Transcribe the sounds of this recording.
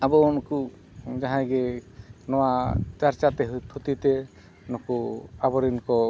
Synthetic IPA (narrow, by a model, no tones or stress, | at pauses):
abɔnɔku | d͡ʒaɦãɡɛnɔwat͡ʃaɾt͡ʃat̪ɛɦt̪ʰut̪it̪ɛ | nɔkuabɔɾinkɔ